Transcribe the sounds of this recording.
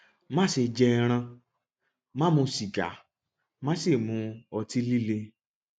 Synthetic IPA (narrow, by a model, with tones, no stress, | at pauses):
mã˦se˧d͡ʒɛ˧ɾ̃ã˧ | mã˦mũ˧si˨ɡa̰˨˦ | mã˦se˦˨mũ˨˧ɔ˧ti˦li˦le˧